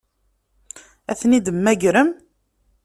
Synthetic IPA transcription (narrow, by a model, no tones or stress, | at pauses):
æθnid̪əmːæʝɾəm